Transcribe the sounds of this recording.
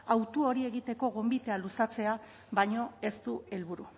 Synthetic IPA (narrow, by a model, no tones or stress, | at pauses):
awt̪uo̞ɾie̞ɣit̪e̞ko̞ɣo̞mbit̪e̞alusat͡se̞a | βaɲo̞e̞st̪ue̞lβuɾu